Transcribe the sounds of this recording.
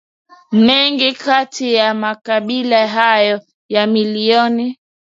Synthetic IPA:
mɛŋɡikatijamakaɓilaɦajɔ | jamiliɔni

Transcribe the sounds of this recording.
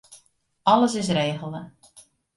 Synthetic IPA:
ɑləs̬ɪs̬reːɣəl̩ˠə

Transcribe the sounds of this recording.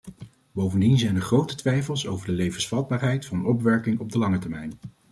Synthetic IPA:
bowvəndinzɛjnəɹχrowtətʋɛjfəlˠso̰wvəɹdəlejvənsfɑd̚baːɹɦɛjtfɑnənɔp̬ʋɛɹkɪŋɔb̚dəlɑŋətɛɹmɛjn

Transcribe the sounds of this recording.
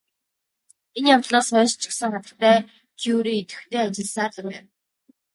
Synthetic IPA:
enjawt̪ɮɔːsχœːst͡ɕɪ̆ksə̆ŋχat̪ə̆kt̪æː | kʰjuɾiːit̪ɘ̥̆xt̪ʰeːat͡ɕɪ̆ɮsaːt̪ə̆pæːn

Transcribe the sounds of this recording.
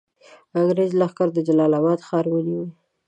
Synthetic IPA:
aɡɾezlaxkaɾd̪əd͡ʒalɑlabɑd̪xɑɾwəliwi

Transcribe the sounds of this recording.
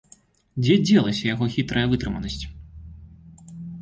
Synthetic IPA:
d͡zʲɛd͡zʲɛlˠɐsʲɐjaɣɔxʲit̪ɾɐjɐvɨt̪ɾɨmɐnɐsʲt͡sʲ

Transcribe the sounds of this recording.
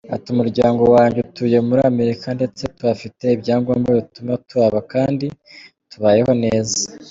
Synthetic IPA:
a̰tumuɾɟaːŋɡo̞waːɲɟetuje̞muɾaːme̞ɾikande̞t͡se̞tuβafite̞ibɟaːŋɡombɡaβitumatuβaβakaːndi | tuβaːje̞ho̞ne̞ːzḁ

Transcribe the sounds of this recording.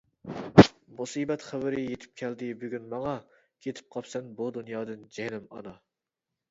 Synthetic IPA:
musiːbɛt̪χæbɪɾɪjet̪ʰɪ̥p̚kʲʰɛld̪ɪbyɡʲynmɑŋɑ | kʲʰet̪ʰɪ̥p̚qʰɑpsɛnbud̪unjɑːd̪ɨnd͡ʒɛhnɪmɑ̰nɑ

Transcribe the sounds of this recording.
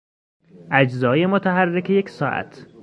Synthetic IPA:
ʔæd͡ʒzɒːjemot̪ʰæɦærːecʰeje̞ksɒːʔæ̰t̪ʰ

